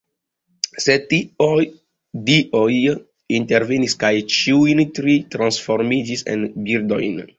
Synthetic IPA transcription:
set | diʔoj | inteɾveniskajt͡ʃiujntɾitɾãnsfoɾmid͡ʒisḛnbildo̰jn

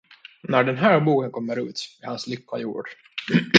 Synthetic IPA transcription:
næɖɛnɦæːɾbuːkənkʰɔmːəɾʉ̰ːt̪ɪhanslʏkʰːa̰jṵːɖ

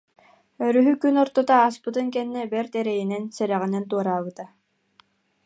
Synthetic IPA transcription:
œɾyɦykynɔɾt̪ɔt̪aːspɯt̪ɯŋkɛnːɛbɛɾt̪ɛɾɛjinɛnsɛɾɛʁinɛnt̪uɔɾaːβɯt̪a

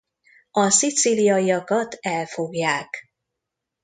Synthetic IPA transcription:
ɒsit̪silijɒjiɒkɒt̪ɛlfo̞ɡjaːk

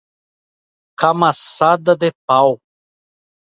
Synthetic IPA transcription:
kamasad̪ɐd̪epaw

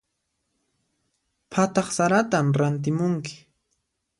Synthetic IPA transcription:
pʰat̪ɑχsaɾat̪amɾant̪̬ɪmʊŋkɪ̥

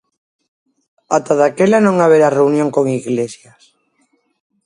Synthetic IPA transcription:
at̪aðakelanõŋaβ̞eɾareunjõŋkoŋiɣlesjas

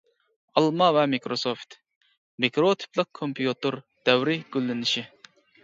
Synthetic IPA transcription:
ɑlˠmɑvɛmikɾosoft̪ | mikɾot̪ʰi̥plˠɨq̚kʰompʰjut̪oɾ | d̪̥ɛwɾɪɡʲylːɪnɪʃi

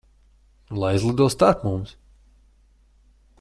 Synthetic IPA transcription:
lˠajzlˠɨd̪uɔst̪aɾkmums

